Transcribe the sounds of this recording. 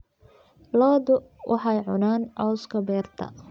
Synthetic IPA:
lɔːðʊwʔɑħɑjʕʊ̰naːnʕɑskʰɐbɛːrt̪ʰɐ̰

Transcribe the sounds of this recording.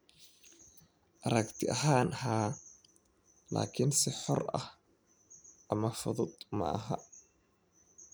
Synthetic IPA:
ʔɐɾɐkt̪ʰɪʔɐɦaːnʔɐɦaː | la̰ːkʰɪnsɪħɔrɐ̰h | ʔɐmɐfʊðʊd̪mɐ̰ɐ̰ɦɐ̰

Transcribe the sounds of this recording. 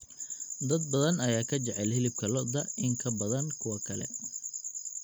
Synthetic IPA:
d̪ɐd̪̚bɐðɐnɐjaːkʰɐt͡ʃɛʕɛlhɛlɪb̚kʰɐlɔd̪ɐɪŋkʰɐbɐðɐnkʰʊwɐkʰɐlɛ̰

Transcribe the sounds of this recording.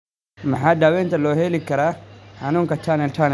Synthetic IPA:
maħadawent̪aloːhelikːɐɾahanuŋkatʰːanaltʰan

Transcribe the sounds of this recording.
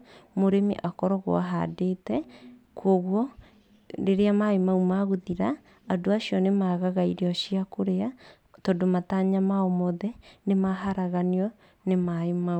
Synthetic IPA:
moɾemḭʔakɔɾɔɣo̰a̰ɦa̰detɛ | kʰoɣwɔ | ɾeɾeamaemaumaɣoðiɾaː | doaɕiɔnemaɣaɣaiɾeɔʃiakoɾea | tɔdomataːɲamaomɔðɛnemaɦaɾaɣaniɔ | nemaemau

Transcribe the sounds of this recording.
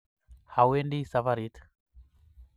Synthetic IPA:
hawɛndisavaɾit̪ʰ

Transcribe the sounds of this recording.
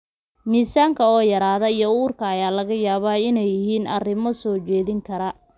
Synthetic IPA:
miːsaːŋkʰɐɔːjɐɾaːðɐijɔuːrkʰɐːjaːlɐɣɐjaːβaːɪnɛjɪɦiːnɐ̰rɪmɔsɔːt͡ʃɛːðɪŋkʰɐɾɐ

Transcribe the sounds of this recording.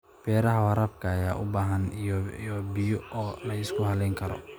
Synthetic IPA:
b̥ɛːɾɐɦɐwɐɾɐːbkʰɐːjaːʔʊbaːɦɐnjɔbɪjɔɔːlɐɪskʰʊhɐlɛjŋkʰɐɾɔ̰

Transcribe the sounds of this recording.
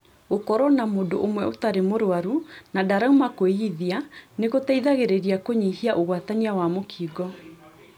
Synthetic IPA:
okɔɾɔnamoːdoʔomwɛotaɾemoɾowaɾunadaɾaumakoiðianeɣotaiðaɣeɾeɾiakoɲihiaʔoɣwataniawamokʰiɡɔ

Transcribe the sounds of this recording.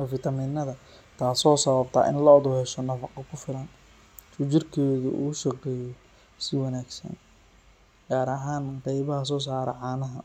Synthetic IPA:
ɔfɪt̪ʰɐmiːnːɐðɐ | t̪ʰaːsɔːsɐβɐbt̪ʰɐ̰ːʔɪ̰nlɐɔðʊhɛʃɔnɐfɑqɔkʰʊfɪlɐn | tʊt͡ʃɪrkʰɛːðʊ̰ʔṵːʃɐqɛːjɔ | sɪwɑnaːɡsɐ̰n | ɡ̥aːɾɐɦaːnqɑjβɐɦɐs̬ɔːs̬aːɾɛ̰ʕaːnɐɦɐ

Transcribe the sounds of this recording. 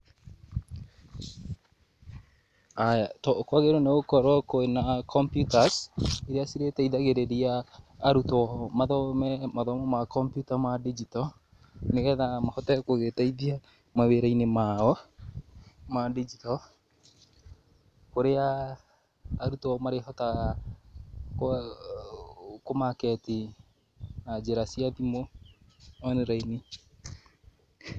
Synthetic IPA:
ajatɔkwaɣeɾoneɣokɔɾwɔkoenakʰɔmpjutaseɾeasiɾetɛiðaɣeɾeɾiaːɾutɔmaðɔmɛmaðɔmɔmakɔmpjutamadid͡ʒitɔ | neɣɛðamahɔtɛkoɣetaiðia | maweɾainemaɔ | madid͡ʒitɔ | koɾea | ɾutɔmaɾehɔtaɣa | k | komakɛti | nad͡ʒeɾasiaðimo | ɔneɾaini

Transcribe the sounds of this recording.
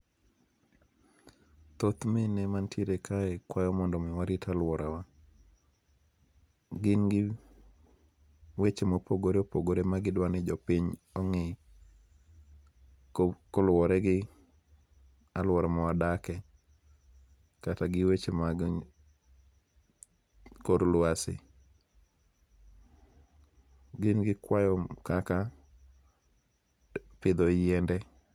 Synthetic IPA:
t̪ot̪menemantjeɾekʰaɛkwajɔmɔndɔmɪwaɾɪtʰalwɔɾʔawa | ɡɪnɡɪ | wet͡ʃemopoɡoɾeopoɡoɾemaɡɪdwanɪd͡ʒɔpiɲ | ɔŋɪ | kɔlwɔɾɛɡɪ | alwɔɾɛmɔadakɛ | kataɡɪwet͡ʃemaɡ | koɾlwasɪ̰ | ɡɪnɡɪkwajɔkaka | pɪd̪ɔjɛndɛ

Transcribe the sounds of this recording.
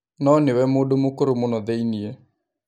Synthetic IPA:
nɔnɪwɛmodomʊkoɾomonɔðɛinie

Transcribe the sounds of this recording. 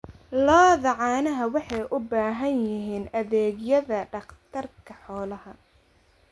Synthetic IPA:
lɔːðɐʕɑːnɐɦɐwɑħɑjʔʊbaːɦɐnjɪɦiːnɐðɛːɡjɐðɐɖɑqt̪ʰɐrkʰɐħɔːlɐɦɐ

